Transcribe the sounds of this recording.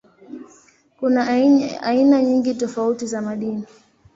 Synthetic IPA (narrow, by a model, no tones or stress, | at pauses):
kunaainaɲiŋɡitɔfautizamaɗini